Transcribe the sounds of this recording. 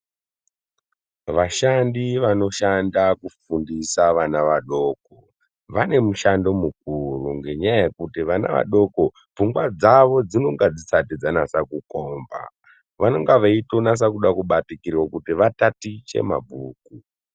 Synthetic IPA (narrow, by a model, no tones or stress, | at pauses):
ʋaʃandiʋano̞ʃandakufundisaʋanaʋaɗo̞ːk̚o | ʋane̞muʃando̞muk̚uruŋɡe̞ɲaaje̞kutiʋana̰ʋa̰ɗo̞ko̞ | b͡vuŋɡwad͡zaʋo̞d͡zino̞ŋɡad͡zisatid͡zanasakuko̞ːmba̰ | ʋano̞ŋɡaʋaitonas̬akuɗakuɓatikirwokutiʋatatit͡ʃe̞̰ma̰bʱuːku